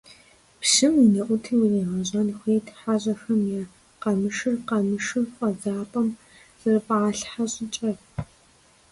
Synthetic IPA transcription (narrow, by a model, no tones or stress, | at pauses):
pʃɨminɐʔʷʊtʰiːwirɐjʁɐʑʼɐnxʷeːtʰħaʑʼɐxɐmjaː | qɐmɨʃɨrqɐmɨʃɨrqʼɐzaːpʼɐm | z̥ɨrɨpʼaːɬħaɕʼɪt͡ʃʼɐr